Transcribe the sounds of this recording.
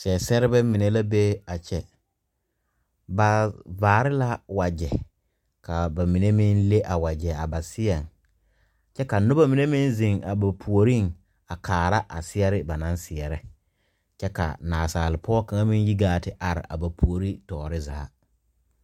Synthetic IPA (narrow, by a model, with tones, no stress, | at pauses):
sɛ˨sɛ˦ɾɪ˦bɛ˦mi˨ne˦la˦be˦a˨t͡ʃɛ˨ | ba˨vaː˨ɾɪ˦la˦wa˨d͡ʒɛ˨ | kʰa˨ba˨mi˨ne˦mi˦nle˦ʔa˨wa˨d͡ʒɛ˨a˨ba˨sɪ˦ɛ˨ŋ | t͡ʃɛ˦ka˨nʊ˦ba˦mi˨ne˦mɪ˦nzi˨ŋa̰˨ba˨pʰu˨o˨ɾi˦˨ŋ | a˨kʰaː˨ɾa˦ʔa̰˨sɪ˦ɛ˦ɾɪ˦ba˨nã˨˦nsɪ˨ɛ˨ɾɛ˦ | t͡ʃɛ˦ka̰˨naː˨saː˨lɪ˨pʰɔ˦ka˨ŋa˦mĩ˦nji˦ɡaː˦tɪ˦ʔa˨ɾɪ̰˨ʔa̰˨ba˨pʰu˨o˨ɾi˦tɔː˨ɾɪ˦za̰ː˨a˦